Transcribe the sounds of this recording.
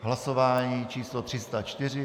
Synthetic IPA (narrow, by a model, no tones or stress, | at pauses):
ɦlasovaːɲiːt͡ʃiːslot̪r̥ɪst̪at͡ʃt̪ɪr̝ɪ